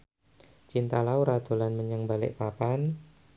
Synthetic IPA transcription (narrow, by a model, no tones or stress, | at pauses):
t͡ʃint̪alauɾad̪̥o̤lanməɲəŋbalɪ̰ʔpapan